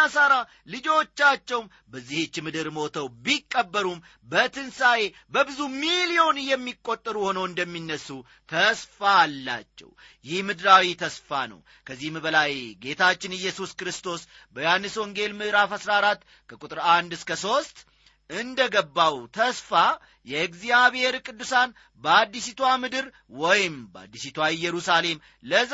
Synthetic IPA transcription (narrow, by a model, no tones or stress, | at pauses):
asaɾa | lɨd͡ʒo̞t͡ʃːat͡ʃːɛwm | bəzːiht͡ʃːɪmɨd̪ɨɾmo̞t̪ʰəwbikʼːəbːəɾum | bət̪ʰɨnsaje̞ | bəbɨzumilijo̞nɨjɛmːikʼːo̞t̪ʼːəɾuho̞nəwɨnd̪əmːinːəsːu | t̪ʰəsfalːa̰t͡ʃːɛ̰w | jɪhmɨd̪ɾawit̪ʰəsfanə̰w | kʰəzːihmbəlajɡe̞t̪ʰat͡ʃːɪnɨjːɛsuskɾɨst̪ʰo̞s | bəjanːɨswɔŋɡe̞lmɨd̪ɾafasɾaɾat̪ː | kʰəkʼut̪ʼɨɾand̪ɨskəso̞st̪ | ɨnd̪əɡəbːawt̪ʰəsfa | jɛɨkzijaβhe̞ɾkʼɨd̪ːusan | bəad̪ːisit̪ʰwamɨd̪ɨɾ | wɔjɪmba̰d̪ːisit̪ʰwaɪjːɛɾusale̞m | lə